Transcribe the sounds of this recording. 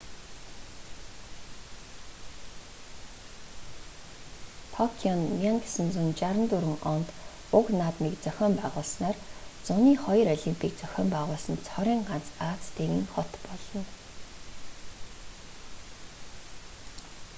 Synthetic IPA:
t̪ʰɔkʰiɔnːiaŋksə̆nt͡sunt͡ɕaɾə̆nt̪uɾɘ̆ŋɔnt̪ | ʊknaːt̪nikt͡sœxʲɔːmpæːʁʊːɮsnaːrt͡sʊniːχɔjɾɔɮimpʰiːk̚t͡sœxʲɔːmpæːʁʊːɮsə̆nt͡sʰχɔɾʲiːŋɢant͡saːt͡st̪ʰeɾḭ̆ːŋχɔt̪pɔɮɞ̆n

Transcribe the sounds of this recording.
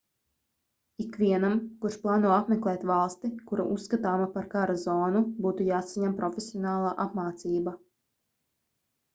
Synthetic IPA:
ikvʲiɛnamkuɾʃplˠaːnuɔapmɛklˠɛːt̪valˠst̪ikuɾa̰ʔusːkat̪aːmapaɾkaɾazɔːnubuːt̪ujaːsaɲampɾɔfʲesʲiɔnaːlˠaːʔapmaːt̪siːba

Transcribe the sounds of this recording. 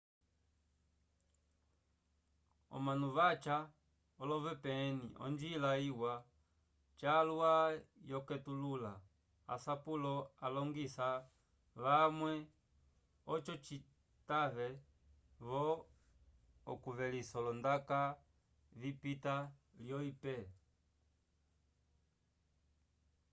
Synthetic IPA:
ɔ̰manuβat͡ʃa | ɔlɔvɛpɛnḭʔɔ̰nd͡ʒilaiwa | t͡ʃaluajɔkɛtulula | a̰sapulɔalɔŋɡisa | lamwɛ | ɔt͡ʃɔt͡ʃi | taβɛ | βɔ | ɔ̰kuvɛlisɔlɔndaka | vipitaljɔipɛ

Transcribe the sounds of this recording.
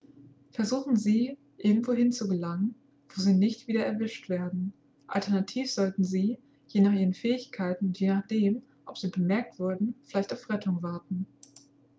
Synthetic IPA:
fɛɐzuːχn̩ziː | ʔɪɐɡŋ̩tv̥oːɦɪnt͡suɡəlaŋən | voːziːnɪçtv̥iːdɐɛɐvɪʃtv̥eːɐdn̩ | ʔa̰ltʰɛɐnatʰiːfz̥ɔltn̩ziː | jeːnaːχʔiːʁənfɛːɪçkʰaɪtn̩ʊntjeːnaːχd̥eːm | ʔɔpz̥iːbəmɛɐk̚tv̥ʊɐdn̩fɪlaɪçtaʊfʁɛtʰʊŋvaɐtn̩

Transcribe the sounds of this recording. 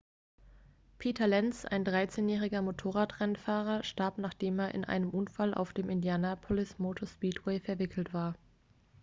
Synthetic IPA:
pʰiːtʰɐlɛnsʔa̰ɪndʁaɪt͡seːnjɛːʁ̞ɪɡɐmotʰoːʁaːtʁɛnfaːʁɐʃtaɐpnaːχd̥eːmeːɐʔɪ̰nʔa̰ɪnəmʔʊnfalʔa̰ʊfd̥eːmɪndjaːnapʰolɪsmoːtʰoɐspiːtʰwɛɪfɛɐvɪkʰl̩tv̥aːɐ

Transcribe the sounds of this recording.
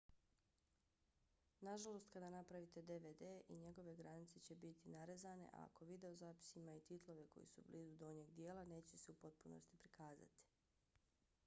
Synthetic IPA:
naʒalˠo̞st̪kad̪anapɾaʋit̪e̞d̪eʋeːd̪eːʔḭɲe̞ɡo̞ʋe̞ɡɾanit̪se̞t͡ɕe̞bit̪inaɾezane̞̰ʔa̰a̰ko̞ʋid̪e̞ozaːpi̥simait̪it̪lˠo̞ʋe̞ko̞̰jḭsṵbliːzud̪ooɲeɡd̪je̞ːlˠane̞ːt͡ɕe̞seupo̞t̪̚puno̞̰st̪i̥pɾikaːza̰t̪i̥

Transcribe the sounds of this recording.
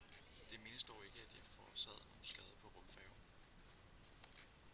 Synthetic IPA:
d̥e̝me̝nəsd̥ɒʊ̰e̝ɡ̥əæd̥jɑ̈fɒːsɛð̞̰ˠno̰n̩sɡ̥ɛð̞ˠəpʰɒ̽ʁɔlfɛʊn

